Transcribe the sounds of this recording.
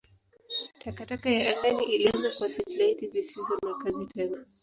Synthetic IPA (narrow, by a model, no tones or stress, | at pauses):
tʰakatakajaʔaθaniʔilianakwasɛt͡ʃlaitizisizɔnakazitʰɛna